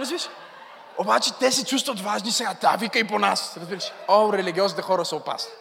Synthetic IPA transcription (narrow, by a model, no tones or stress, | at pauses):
ɾɐzviʃ | obat͡ʃɛt̪ɛsɛt͡ʃust̪vət̪vaʒnisɛɡat̪a̰vikəiponasɾɐzbiɾəʃɛ̥oɾɛliɡʲiɔznit̪ɛxɔɾəsəopa̰sni